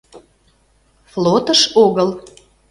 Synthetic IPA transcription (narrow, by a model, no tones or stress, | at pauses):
flot̪əʃoɣəl